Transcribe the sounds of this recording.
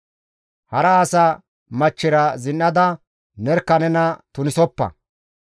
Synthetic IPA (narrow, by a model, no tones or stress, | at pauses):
hɐɾɐːsɐ | mɐt͡ʃːɪɾɐzɪnːɐd̪ɐ | nɛɾkːɐnɛnɐt̪ʊnɪsɔpːɐ̰